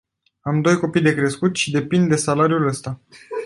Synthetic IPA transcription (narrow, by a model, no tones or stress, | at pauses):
amd̪o̞jko̞pijd̪e̞kɾe̞skut̪ʃid̪e̞pind̪d̪ːe̞salaɾijuləst̪a